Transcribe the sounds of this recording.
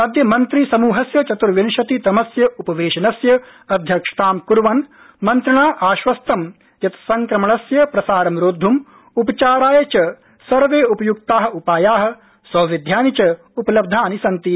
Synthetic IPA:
ɐd̪jɐmɐnt̪ɾisɐmuːɦɐsjɐt͡ʃɐt̪uɾʋinʃɐt̪it̪ɐmɐsjɐupɐʋeːʃɐnɐsjɐ | ɐd̪ʱjɐkʂɐ̥t̪aːmkuɾʋɐn | mɐnt̪ɾɐɳaːʔaːʃʋɐst̪ɐm | jɐt̪ɐ̥sɐŋkɾɐmɐɳɐsjɐpɾɐsaːɾɐmɾoːd̪ʱːum | upɐt͡ʃaːɾaːjɐt͡ʃɐ | sɐɾʋeːupɐjuk̚t̪aːɦɐ̆upaːjaːɦɐ̆ | sɐːʋid̪ʱjaːnit͡ʃɐ | upɐlɐb̚d̪ʱaːnisɐnt̪i

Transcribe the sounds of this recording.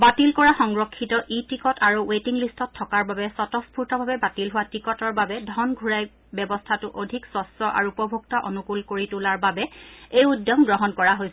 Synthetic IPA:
batilkɔɹaxɔŋɹɔkʰːitɔʔitikɔtaɹuwetiŋlistɔtʰːɔkaɹbabɛsɔtɔspʰuɹtɔbʱabɛbatilɦʊwatɹikɔtɔɹbabɛdʱɔnɡʱuɹaj | bjɛbɔstʰatʊʔodʱiksɔsɔʔa̰ɹuːpɔbʱuktaʔonukulkoɹitulaɹbabɛejudjɔŋɡɹɔɦɔnkɔɹaɦojsɛ

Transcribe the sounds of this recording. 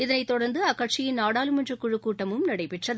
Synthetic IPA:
ɪðɐnɐɪt̪ːɔɽɐɾnd̪ɯɐkːɐʈt͡ʃɪjɪnnaːɽaːlɯmɛndrɐkːʊɻɯkːuːʈːɐmɯmnɐɽɐɪpɛʈrɐðɯ

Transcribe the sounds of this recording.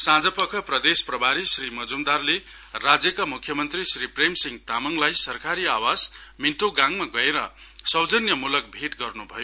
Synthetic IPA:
sãd͡zʌpʌkʰʌprʌd̪esprʌbʱaɾisrimʌd͡zumd̪arle | rad͡zjʌkamukʰjʌmʌnt̪risripremsiŋɡt̪amʌŋlajsʌrkaɾiawasminʈ̪oɡãŋmaɡʌeɾʌ̰ | sʌwd͡zʌnjʌmulʌk̚bʱeʈɡʌrnubʱʌ̰jo

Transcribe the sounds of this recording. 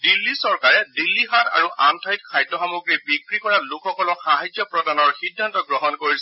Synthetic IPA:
dilːisɔɹkaɹɛdilːixata̰ɹuʔʔa̰mtʰajt̚kʰajdɔxamuɡɹibikɹikɔɹalʊkʰxɔkɔlɔxaɦajd͡ʒjɔpɹɔdanɔɹxidʱːantɔɡɹɔɦɔnkoɹisɛ

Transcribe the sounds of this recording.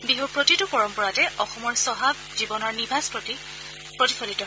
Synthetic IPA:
biɦupɹotitʊpɔɹɔmpɔɹatɛʔɔxɔmɔɹsɔɦab̚ | zibɔnɔɹnibʱaspɹoti | pɹotifʰolitɔ

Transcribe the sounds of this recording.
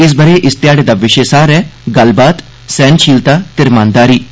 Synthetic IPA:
ɪs̬bəɾeːʔɪst̪jaːɽeːd̪aːʋɪʃeːsaːɾɛːɡəlbaːt̪ | sɛ̃ːnt͡ʃʰiːlt̪aːt̪ɪɾmãːnd̪aːɾiː

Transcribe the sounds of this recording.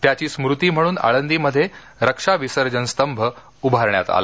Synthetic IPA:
t̪jat͡ɕiːsmɾut̪iːm̤əɽuːna̰ɭənd̪iːməd̪ʱːje | ɾəkʂaʋisəɾd͡ʑənst̪əmbʱə | ubʱaɾɳja̰t̪a̰lə

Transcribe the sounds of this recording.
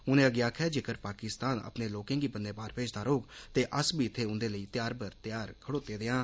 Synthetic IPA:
ʊnẽːəɡjaːkʰɛːd͡ʒeːkəɾpaːkɪst̪aːnə̰pneːloːkẽːɡiːpənd̪ẽːbaːɾpeːd͡ʒd̪aːɾoːɡt̪eːʔəsbiːt̪ʰːeːʊ̃nd̪eːləiːt̪jaːɾpəɾt̪ɪjaːɾkʰəɽoːt̪eːd̪ɪːãː

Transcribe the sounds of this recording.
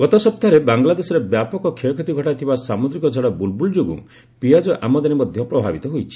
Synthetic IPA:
ɡɔt̪ɔsɔp̚t̪aɾebaŋɡlad̪esɔɾebjapɔkɔkʰikʰet̪iɡʱɔʈat̪ʰibasamud̪ɾikɔd͡ʒʱɔɽɔbulbuld͡ʒoɡṵ̃ | piad͡ʒɔʔamɔd̪animɔd̪ʱjɔpɾɔbʱabit̪ɔɦojt͡ʃʰi̥

